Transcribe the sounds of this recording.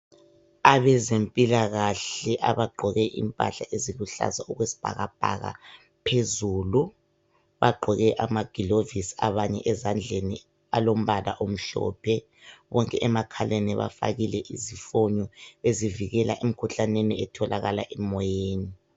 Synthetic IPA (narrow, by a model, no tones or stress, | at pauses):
aβɛzempʼilaɣaɬɛʔaβaɡ͡ǃʱɔɣɛʔḭmpʼa̰ɬaʔeziɣuɬa̰zauɣwesi̥b̥ʱa̰ɣab̥ʱa̰ɣa̰ | pʰezuːlu | βaɡ͡ǃʱɔɣɛʔamaɡ̥ʱilovisaβaɲɛʔɛzand͡ɮʱenḭ | alom̩βʱala̰ʔom̩ɬɔ̰ːpʰɛ | βɔŋkʼɛʔɛmakʰaleniβa̰fa̰ɣilɛʔizifɔɲɔeziviɣɛlaʔem̩kʰuɬaneniɛtʰɔlʔaɣalaʔɛmɔjeːni